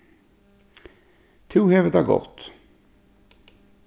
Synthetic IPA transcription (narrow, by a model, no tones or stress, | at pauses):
t̪ʰuːheːʋət̪æɡɔ̰ʁt̪